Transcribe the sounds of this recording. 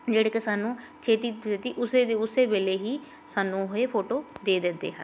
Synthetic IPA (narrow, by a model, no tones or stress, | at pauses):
d͡ʒeːɽeːkesaːnũː | t͡ʃʰeːt̪iːeːt̪iːʔʊsed̪eʊseːbeːleːɦiː | saːnũːɦoeːpʰoːʈoːd̪eːd̪ɪnd̪ḛːɦə̰n